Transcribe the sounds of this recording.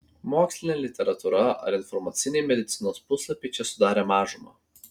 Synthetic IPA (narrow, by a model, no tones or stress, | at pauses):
moːksʲlʲɪnʲeːlʲɪt̪ʲɛɾɐt̪uɾɐɐ̰ɾɪnfɔɾmɐt̪sʲɪnʲeːmʲɛd̪ʲɪt̪sʲɪnoːspʊslˠɐpʲɛɪt͡ʃʲɛsʊd̪ɑːɾʲeːmɑːʒʊmɐ̰ː